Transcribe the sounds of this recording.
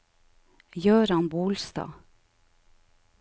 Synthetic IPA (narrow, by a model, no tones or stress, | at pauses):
jœːɾɑnbuːlst̪ɑ̰ː